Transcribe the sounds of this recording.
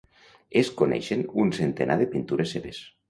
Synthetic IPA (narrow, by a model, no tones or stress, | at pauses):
eskonḛʃenunsent̪enʔaðepint̪uɾesːeβes